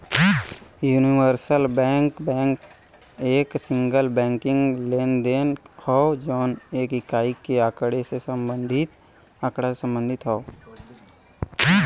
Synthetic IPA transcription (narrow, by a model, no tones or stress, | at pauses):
juːniwəɾsəlbɛ̃ːŋkbɛ̃ːŋk | eːksɪ̃ŋɡəlbɛ̃ːŋkɪ̃ŋɡleːnd̪eːnhɔd͡ʒɔːneːkɪkaːikeakəɽesesə̃mbə̃nd̪ʱɪt̪̚ | akɽasesə̃mbə̃nd̪ʱɪt̪ɦɔo